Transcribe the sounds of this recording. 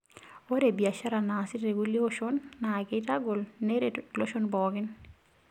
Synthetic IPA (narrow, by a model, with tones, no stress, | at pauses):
o˦ɾe˨bi˨a˨ʃa˦ɾa˨na˨sɪ˦tɾe˨ɡu˦li˦o˦ʃɔ˦nːa˨ke˦ta˦ɡʊ˨lne˦ɾelo˦ʃo˦nbɔ˨kɪ˦n